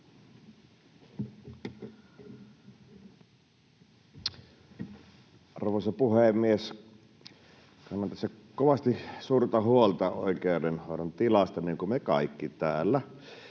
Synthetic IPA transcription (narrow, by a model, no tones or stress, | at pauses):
ʔɑrʋoˑsɑpuhemːˑies | kɑnːɑnt̪æsːæ | koʋɑst̪isuːrt̪ɑhuolt̪ɑo̰ˑikeodenhoˑoont̪ilɑst̪ɑniːŋkumekɑ̰ˑikːit̪æːlːæ